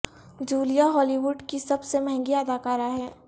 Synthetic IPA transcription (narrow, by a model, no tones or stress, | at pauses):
d͡ʒuːlijaɦɔːliʋʊɖkisɐbsemɛ̃ɦɛ̃ŋɡiɐd̪aːkaːɾaɦɛː